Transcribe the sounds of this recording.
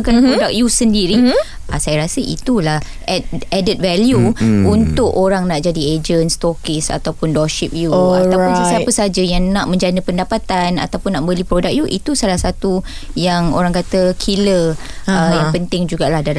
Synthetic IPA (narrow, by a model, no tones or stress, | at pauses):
kanpɾodak̚jusəndiɾi | asajaɾasəʔḭt̪ulah | ɛt̚ɛdit̪̚vɛljuunt̪ʊʔoɾaŋnaʔd͡ʒadied͡ʒənst̪okisa̰t̪awpʊndɔʃip̚juatawpʊnssapəsad͡ʒajaŋnaʔmə̃ɲd͡ʒanəpəndapat̪ana̰t̪awpʊnːaʔbəlipɾodak̚juʔḭt̪usalahsat̪u | jaŋo̰ɾaŋkat̪əkʰiləəjãpənt̪ɪŋd͡ʒuɡaʔlahdal